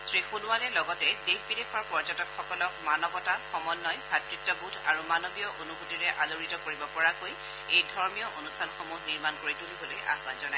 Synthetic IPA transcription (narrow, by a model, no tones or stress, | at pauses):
sɹixunʊwalɛlɔɡɔtɛdexbidepʰɔɹpɔɹd͡ʒɔtɔkxɔkɔlɔkmanɔbɔtaxɔmɔnːɔjbʱatɹitːɔbʱutʰaɹumanobijɔʔonubutiɹɛʔaloɹitɔkoɹibɔpɔɹakoj | ejdʱɔɹmijɔʔonustʰanxomuɦniɹmankoɹitulibɔloja̰ɦbanzɔnaj